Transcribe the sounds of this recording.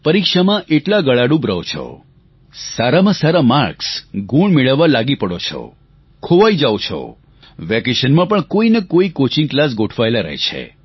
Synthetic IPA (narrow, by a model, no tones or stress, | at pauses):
pəɾikʃamãʔeʈlaɡəɭaɽũbɾəʋt͡ʃʰɔ̰ | saɾamãsaɾamaɾksɡʱuɳmeɭəʋːãlaɡipəɽot͡ʃʰɔ̰ | kʰoʋaid͡ʒaʋot͡ʃʰɔ̰ | ʋɛkeʃənmãpəɳkoinekoikot͡ʃiŋklas̬ɡoʈʰʋaelaɾə̰ɦt͡ʃʰḛ